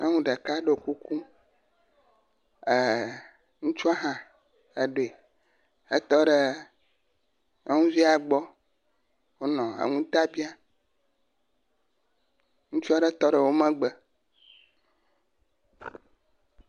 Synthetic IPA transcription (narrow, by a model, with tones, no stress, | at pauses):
ə˦ŋũ˦ɖə˨ka˦ɖe˨ku˦ku˦ | ə˨ | ŋũ˦t͡ʃu˦a˦ɦã˨ | e˨ɖo˨e˨ | e˦t̪ɔ˦ɖe˨ | e˦ŋũ˦vi˦a˨ɡ͡bɔ˦ | wo˦nɔ̃˨ə̰˨ŋũ˦t̪a˦bi˦a˦ | ŋũ˦t͡ʃu˦a˦ɖe˦t̪ɔ˦ɖə˨wo˦mɛ̃˦ɡ͡bə˨